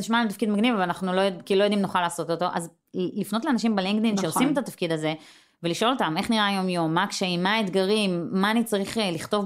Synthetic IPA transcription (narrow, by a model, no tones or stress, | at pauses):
iʃmalet̪afkid̪maɡnivavalanaχnulojodkiːulojod̪imnoχalaːso̞t̪ot̪o̞ʔa̰z | lifno̞t̪leanaʃimbeliŋɡd̪inʃeosimet̪at̪afkid̪aze̞ | ve̞liʃʔo̞lotame̞χniʁajo̞mjo̞mːakʃeimaet̪ɡaʁimːaːnit͡saʁiχliχt̪o̞v